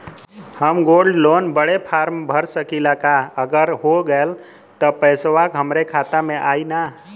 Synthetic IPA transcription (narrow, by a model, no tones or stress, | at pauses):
həmɡolɖlonbəɽepʰaɾmbʱəɾsəkilakaəɡəɾɦoɡəl | t̪ɔpəjsʋakɦəmɾekʰat̪ameʔaina